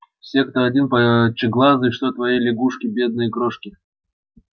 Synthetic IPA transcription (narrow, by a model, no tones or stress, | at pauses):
fsʲe̞kt̪oɐdʲinpɐt͡ɕɪɡlˠazɨʂt̪ot̪vɐjejlʲɪɡuʂkʲɪbʲe̞d̪̚nɨjəkɾoʂkʲɪ